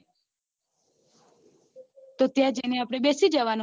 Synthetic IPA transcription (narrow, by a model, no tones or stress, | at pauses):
t̪ot̪jãd͡ʒeneapɽ̃ebesid͡ʒəʋano